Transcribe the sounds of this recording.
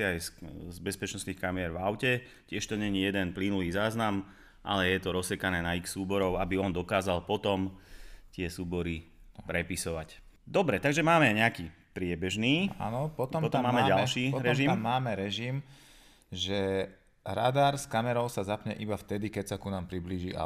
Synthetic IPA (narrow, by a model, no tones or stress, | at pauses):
iajszbɛspɛt͡ʃnɔst̪niːxkamiɛɾvaʊcɛ | cɪɛʃt̪ɔɲɛɲijɛd̪ɛnplinuliːzaːznam | ʔa̰lɛjɛt̪ɔɾɔsɛkanɛːnaiksuːbɔɾɔʊabiɔnd̪ɔkaːzalpɔt̪ɔmt̪ɪɛsuːbɔɾi | pɾɛpisɔʋac | d̪ɔbɾɛt̪aɡʒɛmaːmɛɲɛakiː | pɾɪɛbɛʒniːa̰nɔpɔt̪ɔpɔt̪ɔmːaːmɛɟalʃiːɾɛʒimːaːmɛɾɛʒim | ʒɛ | ɾa̰d̪aɾskamɛɾɔʊsazapɲɛ̰ʔibaft̪ɛd̪ikɛcsakunaːmpɾibliːʒia̰